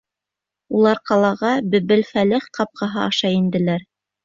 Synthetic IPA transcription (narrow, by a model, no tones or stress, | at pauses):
ulˠɑɾqɑlˠɑʁɑbɘ̆βɘlfælɘχqɑp̚qʰɑɦɑɑʃɑjind̪ɘ̆læɾ